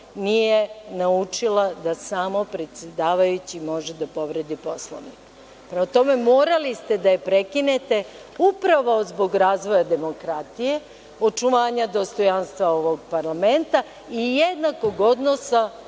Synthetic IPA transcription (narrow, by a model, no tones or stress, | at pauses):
nije̞naut͡ʃilˠad̪asaːmopɾe̞t̪sʲjed̪aːʋajut͡ɕimo̞ʒed̪apo̞ʋɾed̪ipo̞slo̰ʋnik | pɾe̞mat̪o̞me̞mo̞ːɾalist̪e̞d̪ajepɾe̞kine̞t̪e̞ | upɾaʋaozbo̞ɡɾaːzʋo̞jad̪e̞mo̞kɾat̪ije̞ | o̞t͡ʃuʋaːɲad̪o̞st̪o̞janst̪ʋao̞ʋo̞ɡpaɾlament̪a | ijed̪nako̞ɡo̞d̪nosa